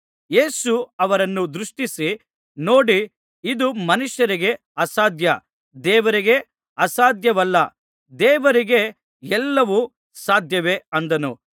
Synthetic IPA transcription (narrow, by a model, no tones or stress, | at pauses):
jeːsuɐʋɐɾɐnːud̪ɾuʂʈisi | no̞ːɽi | id̪umɐnuʂjɐɾiɡe̞ | ɐsaːd̪ʱjɐ | d̪ɛːʋɐɾiɡe̞ | ɐsaːd̪ʱjɐʋɐlːɐ | d̪ɛːʋɐɾiɡe̞ | ɛlːɐʋu | saːd̪ʱjɐʋe̞ɐnd̪ɐnu